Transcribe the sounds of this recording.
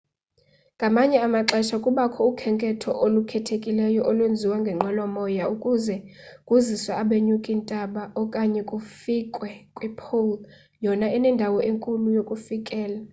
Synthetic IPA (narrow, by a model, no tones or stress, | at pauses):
ŋʱamaɲɛamaǁɛʃakʼuɓakʰɔukʰɛŋkʼɛtʰɔʔolukʰɛtʰekʼilɛjɔʔɔlwend͡zʱiwaŋɡʱɛŋ͡ǃʱwɛlɔmɔjaukʼuzɛkʼuziswaːɓeɲukʼintʼaɓaʔɔkʼaɲɛkʼufikʼwɛkʼwɛpʰol | jɔnaɛnɛndʱawɔʔeŋkʼulujokʼufikʼɛːla